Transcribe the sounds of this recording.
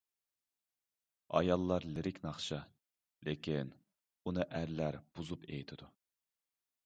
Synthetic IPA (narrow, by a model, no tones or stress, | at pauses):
ɑ̰jɑlˠːɑɾlɪɾɪkʲnɑχʃɑ | lʔekʲʰin | unɨʔæɾlæɾb̥uzupḛjit̪ʰɪd̪̥u